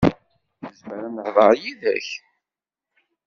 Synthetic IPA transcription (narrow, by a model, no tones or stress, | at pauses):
nəzməɾænəhðˤɑɾjiðæ̰ç